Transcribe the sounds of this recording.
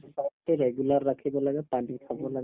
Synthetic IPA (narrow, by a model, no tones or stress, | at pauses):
sɔʈeɾɛɡjulaɾːakʰibɔlaɡapanikʰabɔlaɡ